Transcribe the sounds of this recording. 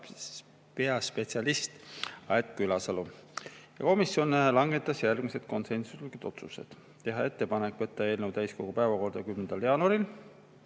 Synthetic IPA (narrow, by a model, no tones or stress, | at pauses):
peɑspe̞t̪siɑlist̪ɑet̪̚kylɑsɑlujɑko̞misjo̞nlɑŋɡe̞t̪ːˑɑsjærɡ̥mise̞d̪̥̚ko̞nse̞nsuselkyt̪o̞t̪sused̪̥ | t̪ːe̞ɦɑe̞t̪ːe̞pɑne̞kːˑvɤt̪ːɑe̞ːlnewt̪æjsko̞ɡupæevɑko̞rd̪̥ɑkymnend̪̥ɑljɑːnuɑɾil